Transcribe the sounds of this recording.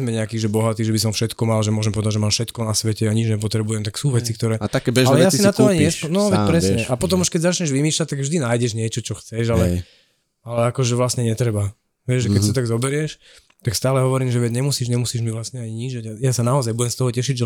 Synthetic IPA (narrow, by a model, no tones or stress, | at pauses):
zmɛɲɛakiːɣʒɛbɔɦat̪iːʒɛbisɔmfʃɛt̪kɔmalʒɛmʊɔʒɛmpɔʋɛd̪aɟʒɛmaːmfʃɛt̪kɔnasʋɛcɛaɲid͡ʒɲɛp̬ɔt̪ɾɛbujɛmt̪aksuːʋɛt͡sikt̪ɔɾɛːat̪akkɛbɛalɛjɛasinat̪ɔaɲɛsɔnɔʋɛpɾɛsɲɛʔapɔt̪̬ɔmuʃkɛɟzat͡ʃɲɛʒʋimiːʃlac̚t̪aɡvʒd̪inaːjɟɛʒɲɪɛt͡ʃɔt͡ʃɔxt͡sɛʒalɛ | alɛakɔʒɛʋlasɲɛɲɛt̪ɾɛba | ʋɛʒʒɛkɛcsiɔt̪aɡzɔbɛɾɪɛʃ | t̪akst̪aːlɛɦɔʋɔɾiːmʒɛʋɛɟɲɛmusiːʒɲɛmusiːʒmiʋlasɲɛaɲiɲiʒɛɟajaːsanaɔzajbuɟɛmst̪ɔɦɔcɛʃiɟʒɛ